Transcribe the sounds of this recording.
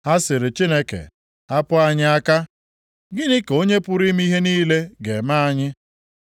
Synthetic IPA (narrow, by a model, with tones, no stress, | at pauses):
ha˦sɪ˨ɾɪ˨t͡ʃi˦ne˦kḛ˨ | a˦pʊ˦a˦ɲɪ˦a˦ka˦ | ɡɪ˦nɪ˦ko˦ɲe˦pʊ˦ɾi˦m̩˦i˦ɦe˦niː˦le˦ɡe˨ma˦a˦ɲɪ˦